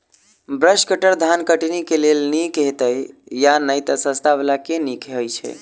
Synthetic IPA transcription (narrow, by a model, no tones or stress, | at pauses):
bɾəʃkəʈəɾd̪ʱankəʈinikelelnikɦet̪əjjanəjt̪əsəst̪abelakenikɦəjt͡ʃʰɛ̰